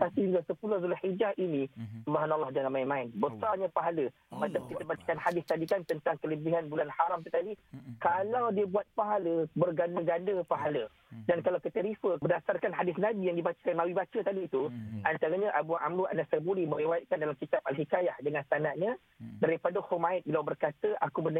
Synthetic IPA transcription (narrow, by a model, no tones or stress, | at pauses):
t̪apisiŋɡasəpulʊhzulhid͡ʒahinĩsubaɦanalːɑhd͡ʒanamaimãɪnbəsarɲãpaɦalə | mat̪akit̪əbat͡ʃə̥kanhadɪst̪adikant̪ənt̪aŋkələbiɦanbulanhaɾamt̪ut̪adikalawdiəbuat̪̚paɦaləbərɡandəɡandəpaɦalə | dankalawkət̪əɾifəbədasarkanɦadɪsnãbijaŋdibat͡ʃə̥kanmawibat͡ʃət̪adiːt̪uʔant̪aɾəɲaʔabuaʔamɾua̰nasabulimə̃ɾiwajt̪̚kandalamkit̪ap̚alɦikajahdəŋãnst̪anaʔ̚ɲã | daɾipadahumaɪt̪̚bilawbərkat̪əʔakubənə